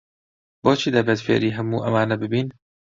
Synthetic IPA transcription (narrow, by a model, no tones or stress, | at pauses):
bɔːt͡ʃʰiːd̪æbɛd̪fḛːʔɾiːɦæmuːʔɐmaːnæbɪbiːn